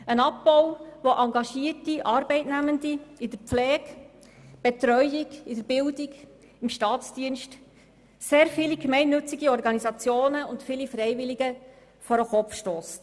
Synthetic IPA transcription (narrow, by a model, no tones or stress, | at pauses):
ənɑp̚bɔwʋoʔɑŋɡɑʃiətiʔɑːɾbɛɪtnæməndiɪd̪əɾpflɛːɡ | b̥ɛt̪ɾœjɪɡɪdəɾbɪldɪɡ | ɪmʃtɑːtt͡sd̥iənʃt | seːɾfɪliɡmɛɪnːɵt͡siɡiɔɾɡɑnisɑt͡sjoːnəʊntfɪlifɾɛɪvɪliɡə | fɔɾəχɔfʃtoːst